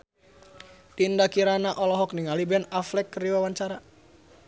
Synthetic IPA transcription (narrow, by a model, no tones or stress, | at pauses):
t̪indakiɾanaʔɔlɔɦɔkniŋalibɛnaflɛkːəriwawaɲt͡ʃaɾa